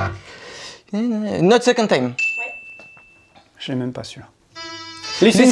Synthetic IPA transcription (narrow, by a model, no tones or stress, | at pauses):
ɛnnotsɛkɔ̃nt̪ãjm | ʒ̥əlɛmɛmpasyʁ | lilis